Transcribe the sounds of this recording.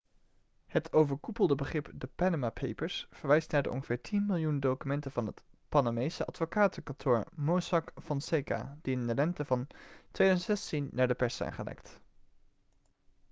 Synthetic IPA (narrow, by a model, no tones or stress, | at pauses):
hətʰowvəɹkupəlˠdəbəχrɪpdəpanəmapʰejpəɹsfəɹʋɛjstnaːɹdəʔɔ̰nχəv̥ɪːɹtʰinmɪlˠjundowkymɛntənvɑnɦətpɑnamejsəʔɑtfokaːtəkɑntʰʊːɹmosɑkfɔnseka̰d̥iɪndəlɛntəvɑntʋejdœzəntsɛstinːaːɹdəpɛɹssɛ̰jnχəlɛ̰kt